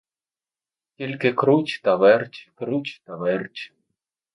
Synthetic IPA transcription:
kʲelʲkʲekɾut͡ɕt̪aβɛrt͡ɕkɾut͡ɕt̪avɛrt͡ɕ

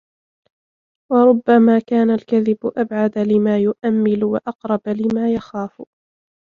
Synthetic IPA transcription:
wɑɾˤʊbːamaːkaːnalkaðɪbʊʔabʕad̪alɪmaːjʊʔamːɪlwaʔɑqɾˤɑblɪmaːjaxaːf

